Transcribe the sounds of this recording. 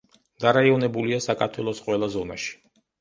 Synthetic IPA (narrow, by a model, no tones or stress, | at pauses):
d̪̥aɾaiɔnɛbuliasakʰaɾt̪ʰwɛlˠɔsqʼwɛlˠazɔna̰ʃi̥